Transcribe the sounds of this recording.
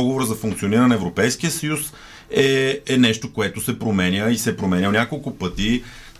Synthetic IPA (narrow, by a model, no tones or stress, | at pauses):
ɔɡovoɾəzɐfuŋkt̪sioniɾənɐɛvɾopɛjskiəsɐjus | ɛɛnɛʃt̪okoɛt̪osɛpɾomɛnʲəisɛpɾomɛnʲənʲakolˠkʊpɤt̪i